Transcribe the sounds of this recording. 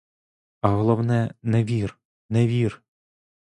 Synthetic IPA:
ɐɦɔlˠɔwnɛnɛʋʲir | nɛʋʲir

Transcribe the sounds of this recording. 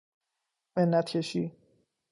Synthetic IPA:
menːat̪cʰeʃi

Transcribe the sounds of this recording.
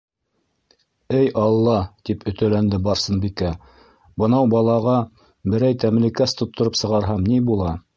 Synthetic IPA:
ɘjʔɑlˠːɑt̪ipʰɵ̆t̪ælænd̪ɘbɑɾsɤnbikæ | bɤ̆nɑwbɑlˠɑʁɑ | bɘ̆ɾæjt̪æmlɘkæst̪ŏt̪ːŏɾɤpsɤ̆ʁɑɾɦɑmnibulˠɑ

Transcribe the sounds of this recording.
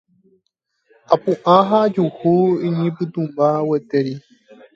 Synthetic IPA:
apuʔãɦad͡ʒuhuiɲĩpɨt̪ũmbawət̪eɾi

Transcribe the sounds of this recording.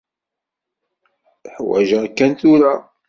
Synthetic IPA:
ħwæ̰ʒæækːænt̪ʊɾa

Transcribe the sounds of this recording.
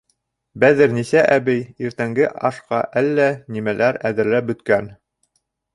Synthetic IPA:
bæðɘɾnisæʔæβɘjiɾt̪æŋɡɘʔɑʃqɑ̰ʔælːænimælæɾæðɘ̆ɾlæp̚bɵ̆t̪kæn

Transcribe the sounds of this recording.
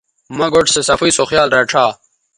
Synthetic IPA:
mɐɡoʈsesɐfiːsoxjaːlɾeʈ͡ʂʰaː

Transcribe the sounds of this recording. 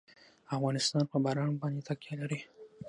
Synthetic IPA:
afɣɑnɪst̪ɑnpəbaɾɑnbɑnd̪et̪akjalaɾi

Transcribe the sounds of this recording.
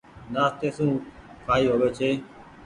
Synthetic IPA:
naːst̪eːsũːkʰaːiːɦoːʋeːt͡ʃʰeː

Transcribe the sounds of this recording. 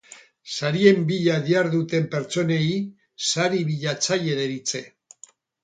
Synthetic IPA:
saɾie̞mbiʎaðiaɾðut̪e̞mpe̞ɾt͡so̞ne̞i | saɾiβiʎat͡saje̞ðeɾit͡se̞

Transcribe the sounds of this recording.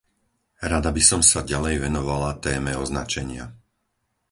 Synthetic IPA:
ɾad̪abisɔmsaɟalɛjʋɛnɔʋalat̪ɛːmɛɔznat͡ʃɛɲɪa̰

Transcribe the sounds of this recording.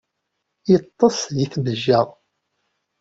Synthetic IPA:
jət̪ˤːɑsˤjiθməʒːæʁ

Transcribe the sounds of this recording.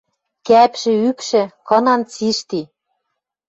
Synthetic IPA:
kæpʃɘ̆ykʃɘ̆kɤ̆nɑnt͡siʃt̪i

